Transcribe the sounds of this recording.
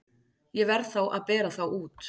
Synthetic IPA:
jɛvɛɾðθawʔa̰ðpɛːɾaθawʔuːt̪

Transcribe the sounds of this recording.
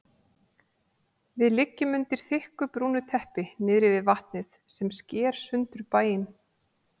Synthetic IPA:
vɪðlɪcːɪmʏnt̪ɪɾ̥θɪhkʏpɾuːnʏt̪ʰɛhpɪnɪːðɾɪvɪðvaht̪nɪθsɛmscɛːɾ̥sʏnt̪ʏɾpaːjɪn

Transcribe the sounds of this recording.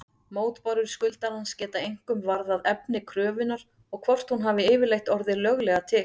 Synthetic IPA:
moːwt̪paɾʏɾ̥skʏlt̪aɾhanscɛːt̪aejŋ̥kʏmvaɾðaðɛpnɪkʰɾœːvɪnːaɾ̥ | ɔɣkʰvɔr̥t̪hunɦaːvɪɪːvɪɾlejht̪ɔɾðɪlœɣlɛɣat̪ʰɪ

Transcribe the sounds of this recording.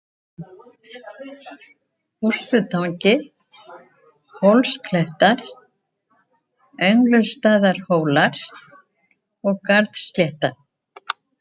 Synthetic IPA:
ur̥fʏt̪ʰawɲcɪ | hɔwlskʰlɛht̪aɾ̥ | œɥŋklʏst̪aːðaɾ̥hoːwlaɾ | ɔɣkaɾt̪st̪ljɛht̪a

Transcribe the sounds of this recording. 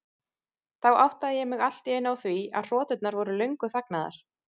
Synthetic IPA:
θawawht̪aðɪjɛmɪɣal̥t̪iejnawθvia̰ðr̥ɔːt̪ʏt̪naɾvɔɾʏlœɥŋkʏθaknaða̰ɾ̥

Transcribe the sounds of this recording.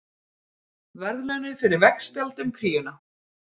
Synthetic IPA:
vɛɾðlœnʏθɛɾɪɾvɛkspjalt̪ʏmkʰɾiːjʏna

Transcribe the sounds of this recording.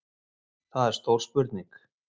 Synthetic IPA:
θaðɛɾ̥st̪owl̥spʏɾt̪niŋk

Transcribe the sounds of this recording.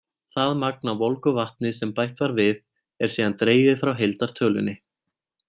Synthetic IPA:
θaðmak̚navɔlkʏvaht̪̚nɪsɛmpajht̪vaɾvɪð | ɛɾ̥siːðant̪ɾeːjvɪðfɾawɦejlt̪aɾ̥t̪ʰœːlʏ̰nːɪ

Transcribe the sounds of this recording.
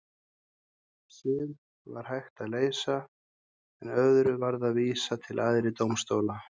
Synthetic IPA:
sɪːð | va̰ɾ̥hajxt̪aðleːjsa | ɛnœðɾʏvaɾðaðviːsat̪ʰɪlʔaðɾɪt̪owmst̪oːwla

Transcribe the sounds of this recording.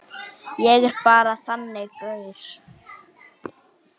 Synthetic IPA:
jɛɣɛɾ̥paːɾaθanːɪkœɥʏɾ̥

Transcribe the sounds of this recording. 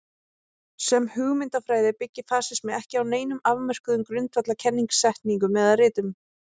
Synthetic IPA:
sɛmhʏɣmɪnt̪afɾaːjðɪpɪcːɪfaːsɪsmɛðɛhcɪawneːjnʏmavmɛr̥kʏðʏmkɾʏnt̪vat̪lacʰɛnːiŋksːɛht̪niŋkʏmːɛðaðrɪːt̪ʏm

